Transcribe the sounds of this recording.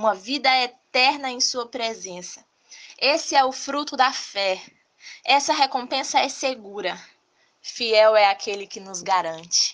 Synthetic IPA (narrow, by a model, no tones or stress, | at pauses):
ũmɐvid̪ɐɛt̪ɛɾnɐẽj̃suɐpɾezẽsɐ̥ | esɪɛʊfɾut̪ʊd̪ɐfɛ | ɛsɐɦekõpẽsɐɛseɡuɾɐ | fiɛwɛakʰelɪkɪnʊzɡaɾɐ̃nt͡ʃɪ̥